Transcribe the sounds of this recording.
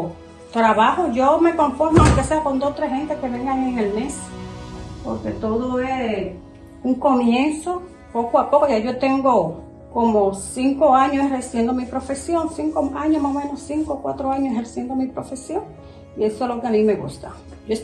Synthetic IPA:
t̪ɾaβahoʝome̞ko̞ɱfo̞ɾmaloke̞se̞ako̞nd̪ost̪ɾehɦe̞nt̪eske̞βe̞ŋɡaŋeŋelme̞s | po̰ɾke̞t̪oðoe | uŋko̞mjẽnso | pokoapokoʝaʝo̞t̪eŋɡo | komosiŋkoaɲoseheɾsjend̪omipɾo̞fe̞sjo̞ŋsiŋkoaɲosmahomẽnosiŋkokwat̪ɾoaɲoseheɾsjend̪omipɾo̞fe̞sjo̞ŋ | ie̞solokeamĩme̞ɣust̪a | ʝoes

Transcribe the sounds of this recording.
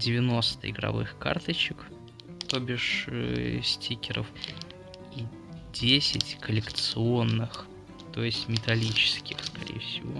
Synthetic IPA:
dʲɪvʲɪno̞st̪əɪɡɾɐ̰vɨ̰xka̰rt̪ət͡ɕɪk | t̪obʲɪʂə̰sʲtʲikʲɪɾə̰f | i | dʲesʲɪtʲkəlʲɪkt̪sɨo̞nːɨx | t̪o̞jɪsʲtʲmʲɪt̪ɐlʲit͡ɕɪ̥skʲɪxskɐɾʲḛjəfsʲɪvo̞̰

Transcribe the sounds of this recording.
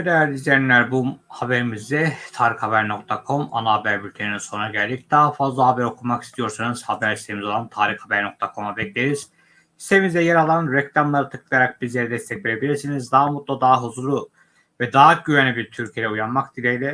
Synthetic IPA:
d̪ejæɾd̪izeinlʲæɾbuhabeɾimizd̪ɛt̪ʰaːɾixhabæɾno̞k̚t̪ʰakʰo̞ma̰naabæɾbylʲt̪ʰeninso̞nunaɟælʲd̪ic̚d̪aːafazlˠaɦabæɾo̞kʰumakist̪ʰijo̞ɾsanuz̥habæɾist̪eimizo̞lˠant̪ʰaːɾixhabæɾno̞k̚t̪ʰakʰo̞mabɛclʲeɾiz̥ | i̥st̪eimizd̪ɛjɛɾalˠanɾɛclʲamlˠaɾɯt̪ʰɯ̥klˠɯjaɾak̚bizlʲeɾɛd̪ɛst̪ʰɛcveɾebilʲiɾsinizd̪aɦamut̪̚lˠad̪aːɦuzulˠu | vɛd̪aɦaɟyvænʲibiɾt̪ʰyɾcʰijejɛujanmakd̪ilʲejlʲɛ

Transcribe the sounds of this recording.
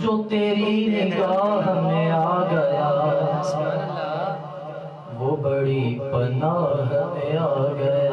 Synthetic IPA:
d͡ʒoːt̪eːɾinɪɡaːɦɦɐmẽaːɡɐjaː | ʋoːbɐɽipɐnaːɦɐmeaɡɐ

